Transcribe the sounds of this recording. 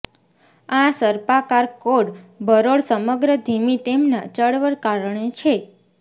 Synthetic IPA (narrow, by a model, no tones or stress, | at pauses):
asəɾpakaɾkoɽbʱəɾoɽsəməɡɾəd̪ʱimit̪emnat͡ʃəɽʋəɾkaɾəɳet͡ʃʰe